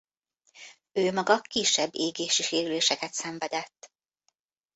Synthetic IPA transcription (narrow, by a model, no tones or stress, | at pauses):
øːmɒɡɒkiʃːɛbːeːɡeːʃiʃeːɾyleːʃɛkɛt̪sɛɱvɛd̪ɛt̪ː